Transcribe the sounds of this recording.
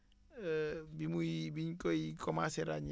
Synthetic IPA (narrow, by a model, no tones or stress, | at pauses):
bimuibiɲkojikɔmaseɾa̰ɲ